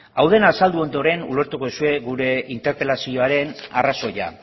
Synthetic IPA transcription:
awð̞e̞naːsald̪uo̞nd̪o̞ɾe̞nṵle̞ɾt̪ukosue̞ɣuɾe̞ʔint̪e̞ɾpe̞lasio̞aɾe̞na̰raso̞ja̰

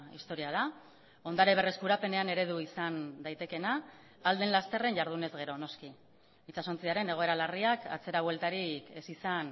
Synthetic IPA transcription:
ist̪o̞ɾiað̞a | o̞nd̪aɾeβ̞e̞re̞skuɾape̞ne̞ane̞ɾe̞ð̞uisand̪ajt̪e̞ke̞naː | ld̪e̞nlast̪e̞re̞nɟaɾð̞une̞zɣe̞ɾo̞no̞ski | it͡saso̞nt͡siaɾe̞ne̞ɣ̞o̞e̞ɾalariaka̰t͡se̞ɾaβwe̞lt̪aɾike̞sisan

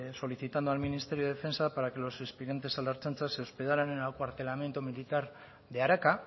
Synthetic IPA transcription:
so̞liθit̪and̪ualminist̪e̞ɾioefe̞nsapaɾakelo̞sespeðjent̪̬e̞salaɾt͡sant͡sasewspe̞ðaɾanenaakoaɾt̪elament̪umilit̪aɾ | ðeaɾaka

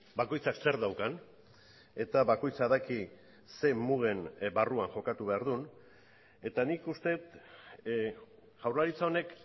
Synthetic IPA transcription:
bako̞jt͡sakse̞ɾðawkan | e̞t̪aβako̞jt͡saðaki | se̞muɣe̞nbaruaŋʝo̞kat̪uβe̞aɾðun | e̞t̪anikust̪e̞t̪ | ɣ̥awrlaɾit͡sao̞ne̞k

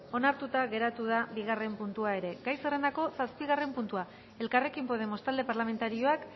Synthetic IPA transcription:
o̞naɾt̪ut̪aɣe̞ɾat̪uð̞abiɣ̞are̞mpunt̪uae̞ɾe̞ɡajsere̞nd̪ako̞saspiɣ̞are̞mpunt̪ua | e̞lkare̞kimpo̞ðe̞mo̞st̪ald̪e̞paɾlame̞nt̪aɾio̞ak

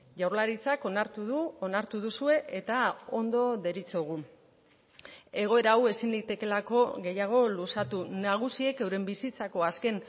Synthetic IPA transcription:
ʝawɾlaɾit͡sako̞naɾt̪uðuonaɾt̪uð̞usue̞ʔet̪ao̞nd̪o̞ðe̞ɾit͡soɣ̞u | e̞ɣ̞o̞e̞ɾaːwe̞sind̪it̪e̞ke̞lako̞ɣe̞jaɣ̞o̞lusat̪unaɣ̞usie̞ke̞wɾembisit͡sako̞aske̞n

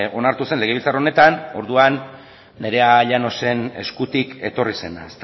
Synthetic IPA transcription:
o̞naɾt̪use̞nle̞ɣ̞eilt͡sarone̞t̪ano̞ɾðuanː | e̞ɾe̞aʎano̞se̞ne̞̰skut̪ike̞t̪o̞rise̞na̰est̪

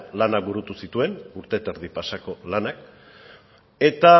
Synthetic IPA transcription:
lanakbuɾut̪usit̪ue̞nuɾt̪e̞t̪eɾðipasako̞lanak | e̞t̪a

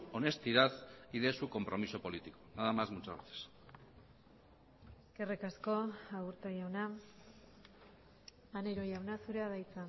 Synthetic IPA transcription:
o̞ne̞st̪iðaθiðe̞suko̞mpɾo̞miso̞po̞lit̪ikonaðamazmut͡ʃa̰βḛθe̥s | eske̞rekasko̞aɣuɾt̪ojawna | aneɾo̞jawnasuɾe̞aðajt͡sa

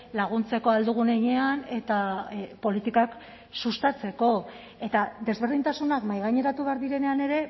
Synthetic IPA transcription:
laɣ̞unt͡se̞ko̞ald̪uɣ̞une̞ɲe̞ane̞t̪apo̞lit̪ikak | sust̪at͡se̞ko̞ | e̞t̪ad̪e̞zβe̞ɾðint̪asunakmajɣaɲe̞ɾat̪uβe̞aɾðiɾe̞ne̞ane̞ɾe̞

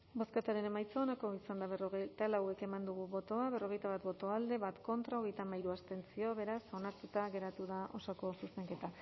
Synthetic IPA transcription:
bo̞skat̪aɾe̞ne̞majt͡soːnako̞isand̪aβeroɣet̪alawe̞ke̞mand̪uɣ̞uβo̞t̪o̞aβe̞ro̞ɣ̞e̞jt̪aβat̪bo̞t̪o̞ald̪e̞βat̪ko̞nt̪ɾao̞ɣ̞e̞jt̪amajɾuast̪e̞nt͡sio̞βe̞ɾaso̞naɾt̪ut̪aɣe̞ɾat̪uðaʔo̞sako̞suse̞ŋke̞t̪a

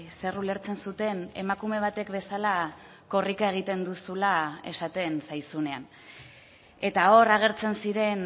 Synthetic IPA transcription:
serule̞ɾt͡se̞nsut̪e̞ne̞̰makume̞β̞at̪e̞kβe̞sala | ko̞rikae̞ɣ̞it̪e̞nd̪usulae̞sat̪e̞nsajsune̞an | e̞t̪ao̞ɾaɣ̞e̞ɾt͡se̞nsiɾe̞n

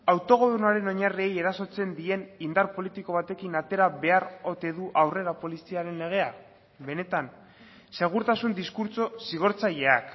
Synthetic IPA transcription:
awt̪o̞ɣ̞o̞ðunaɾe̞no̞ɲarie̞je̞ɾaso̞t͡se̞nd̪ie̞nind̪aɾpo̞lit̪iko̞β̞at̪e̞kinat̪e̞ɾaβe̞aro̞t̪e̞ðuʔawre̞ɾapo̞lisiaɾe̞nle̞ɣ̞e̞ak | be̞ne̞t̪an | se̞ɣ̞uɾt̪asund̪iskuɾt͡so̞siɣ̞o̞ɾt͡saʎe̞ak

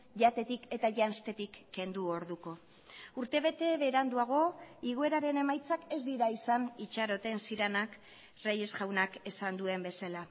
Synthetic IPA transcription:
ʝat̪e̞t̪ike̞t̪aʝanst̪e̞t̪ikːe̞nd̪uo̞ɾðuko̞ | uɾt̪e̞β̞e̞t̪e̞βeːɾand̪uaɣ̞o̞iɣue̞ɾaɾe̞ne̞majt͡sake̞zd̪iɾaisanit͡ʃaɾo̞t̪e̞nsiɾenak | reje̞sʝawnake̞sand̪ue̞mbe̞sala

